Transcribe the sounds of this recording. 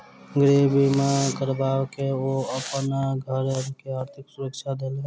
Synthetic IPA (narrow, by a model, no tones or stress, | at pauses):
ɡɾeːbimãkəɾbaːʋkeoəpənɡʱəɾkeaːɾt̪ʰɪksʊɾəkʃad̪elː